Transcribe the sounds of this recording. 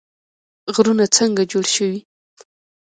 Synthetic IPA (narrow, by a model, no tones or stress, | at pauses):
ɣɾunat͡səŋɡad͡ʒoɽʃəwi